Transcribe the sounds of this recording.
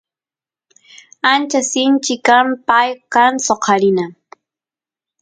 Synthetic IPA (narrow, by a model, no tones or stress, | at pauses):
ant͡ʃasɪnt͡ʃɪkampajkansoqʰɑɾɪna